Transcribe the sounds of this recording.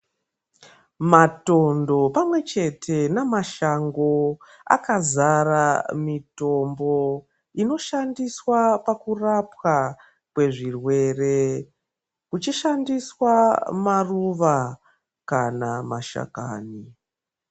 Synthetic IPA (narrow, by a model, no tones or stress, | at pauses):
mato̞ndo̞pamwe̞t͡ʃe̞tʰe̞namaʃaŋɡo̞ | a̰kazaramito̞mbo̞ | ino̞ʃandiswapakurapwa | kwe̞ʐirwe̞re̞ | kut͡ʃiʃandiswamaruʋa | kanamaʃa̰ka̰ːni